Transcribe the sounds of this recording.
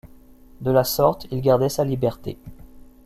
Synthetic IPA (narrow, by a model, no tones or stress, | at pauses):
d̪əlasɔʁt̪ilɡaʁd̪ɛsalibɛʁt̪ḛ